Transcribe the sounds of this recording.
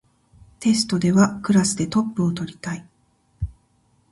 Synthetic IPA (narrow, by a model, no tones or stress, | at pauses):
t̪e̞sɨ̥t̪o̞d̪e̞βakɯ̟ɾasɨd̪e̞t̪o̞pːɯo̞t̪o̞ɾʲit̪ai